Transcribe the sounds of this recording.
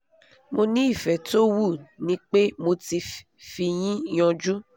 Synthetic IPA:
mo˧nĩ˦i˦˨fɛ˨to˦wu˦˨nĩ˨˦k͡pe˦mo˧ti˧ | fi˧j̃ĩ˦jɔ̃˧d͡ʒu˦

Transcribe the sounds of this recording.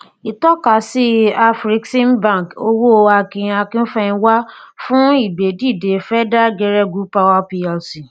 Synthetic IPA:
i˨tɔ˦ka˨si˦a˦fɾi˦ksĩ˦nbã˦˨ko˧wo˦˧a˧kĩ˨˦a˧kĩ˦n̩˦fɛ˦˧ĩ˧wa˦fũ˦i˦˨be˨di˦˨de˨fɛ˦da˦d͡ʒɛ˧ɾɛ˦ɡu˦pa˧wa˦pi˧a˨lsi˨

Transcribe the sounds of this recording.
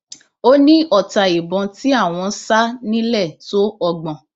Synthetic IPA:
o˦nĩ˦ɔ˦˨ta˨i˨bɔ̃˨˧ti˦a˦˨w̃ɔ̃˧sa˦nĩ˦lɛ˦˨to˦ɔ˧ɡ͡bɔ̃˨

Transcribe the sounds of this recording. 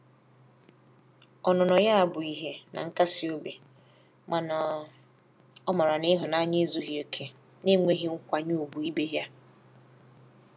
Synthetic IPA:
ɔ˨nɔ˨nɔ˨ja˦a˨bʊ˨i˦ɦe˦na̰˨ŋ̩˦ka˦sɪ˨o˦be˨ | ma˨n˨ | ɔ˦mɔ˨ɾa˨nɪ˦ɦʊ˨na˦ɲɪ˦zu˦ɦi˨e˨kʰe˨ | ne˦ŋʷe˦ɦi˦ŋ̩˦kʷa˨ɲu˦o˨bu˨i˦be˦ɦja˦

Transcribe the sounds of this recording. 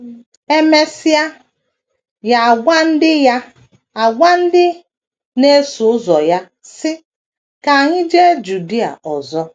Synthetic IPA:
e˦me˦si˦a˦ | ja˨a˨ɡʷa˦n̩˦dɪ˦ja˦ | a˨ɡʷa˦n̩˦dɪ˦ | ne˦sʊ˨ʊ˦zɔ˨ja˦ | sɪ˦ | ka˨ŋi˦d͡ʒe˦d͡ʒu˨di˦a̰˨ʔɔ˨zɔ˦

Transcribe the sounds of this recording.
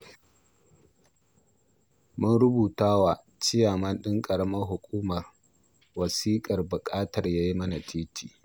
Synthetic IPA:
mʊ˦nɽʊ˦buː˨taː˦waː˨ | t͡ʃɪ˦jaː˨mɐ˦nɗɪ˦ŋkʼɐ˨ɽɐ˦mɐ˦rɦʊ˨kʷʼuː˦mɐ˨r | wɐ˨siː˦kʼɐ˨rbʊ˨kʼaː˦tɐ˨rjaː˦ji˦mɐ˦na˨tʰiː˦tʰiː˨

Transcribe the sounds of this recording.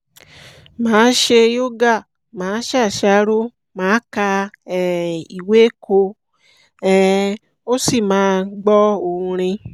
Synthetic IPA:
mãː˨˦ʃe˧jo˦ɡa˦˨ | mãː˨˦ʃa˦˨ʃa˧˦ɾo˦ | mãː˨˦ka˧˨ | i˨we˦ko˧ | ɛ˦ | o˦si˦˨mãː˨˦ɡ͡bɔ˦o˧˨ũ˧ɾ̃ĩ˧

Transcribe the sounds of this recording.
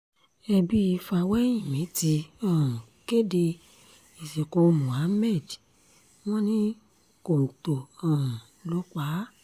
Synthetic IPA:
ɛ˧bi˦i˧fa˧wɛ˦j̃ĩ˦˨mĩ˨˦ti˧ã˨ | ke˦de˧ | i˨se˨ko˧˨˧mũ˨a˨˦mɛ˦˨d | w̃ɔ̃˦nĩ˦ | ko˨u˨to˨ã˨ | lo˨˦k͡pa˨˦

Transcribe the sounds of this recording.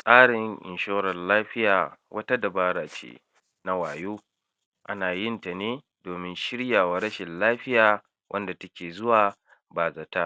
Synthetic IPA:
sʼaː˦ɽɪ˨ŋʔɪ̰˨nʃoː˦ɾɐ˨nlaː˦ɸɪ˦jaː˨wʔɐ˦ta˦da˨baː˦ɾaː˨t͡ʃḛ˦ | na˦waː˨joː˦ | ʔa˦naː˨jɪ˦nta˨neː˦ | doː˨mɪ˦nʃɪ˦ɽjaː˨wa˨ɾɐ˦ʃɪ˨nlaː˦ɸɪ˦jaː˨ | wʔɐ˦nda˨tɐ˦kʲeː˨zʊ˦waː˨ | baː˨za˨ta˦

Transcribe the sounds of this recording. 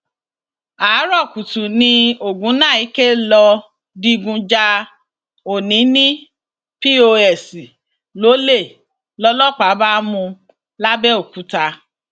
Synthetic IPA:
aː˨˦ɾɔ˦˨ku˨tũ˨nĩ˧o˨ɡũ˨˦nãː˦˨i˨˦ke˦lɔ˧ | di˧ɡũ˧d͡ʒa˧ | o˨nĩ˨˦nĩ˦ | pi˦o˧ɛ˨si˨ | lo˨˦le˦˨ | lɔ˧˦lɔ˦˨k͡pa˨˦ba˦mũ˧ | la˦bɛ˦o˦˨ku˨˦ta˧

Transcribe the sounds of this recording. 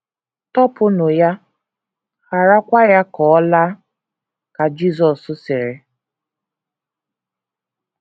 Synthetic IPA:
tɔ˦pʊ˦nʊ˨ja˦ | xa˨ɾa˦kʷa˦ja˦kɔ˨˦ɔ˦la˦ | ka˨d͡ʒi˦˨zɔ˨sʊ˦sɪ˨ɾɪ˨

